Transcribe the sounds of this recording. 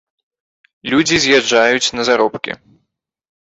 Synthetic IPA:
lʲud͡zʲizʲjad͡ʐːajut͡sʲnɐzaɾɔpkʲḭ

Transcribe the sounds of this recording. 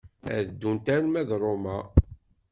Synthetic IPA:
æ̰ðd̪ːunt̪ænmæðɾˤomæ

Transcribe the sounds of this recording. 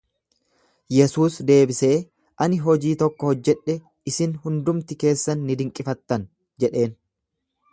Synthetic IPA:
jɛsuːsd̪e̞ːbɪse̞ː | ʔɐnɪɦɔd͡ʒiːt̪ɔkːɔhɔd͡ʒːɛᶑɛ | ɪsɪnhʊnd̪ʊmt̪ɪke̞ːsːɐnːɪd̪ɪŋkʼɪfɐt̪ːɐn | d͡ʒɛᶑe̞ːn

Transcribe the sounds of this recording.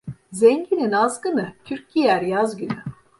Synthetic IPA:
zɛɲɟininazɡɯnɯt̪ʰyɾc̚ːijæɾjazɟyny

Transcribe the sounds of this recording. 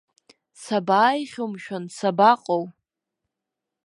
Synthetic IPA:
sabaːjχʲomʃᶣansabaqʼow

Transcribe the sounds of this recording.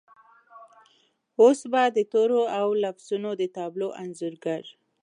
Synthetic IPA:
osbad̪ət̪oɾoawlafz̥unod̪ət̪ɑbloʔanzuɾɡaɾ

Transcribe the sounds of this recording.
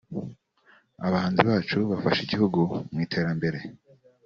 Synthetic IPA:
a̰βahaːnziβaːt͡ʃuβafaʃiɟihuɡumŋiːtʰe̞ːɾambe̞ɾe̞

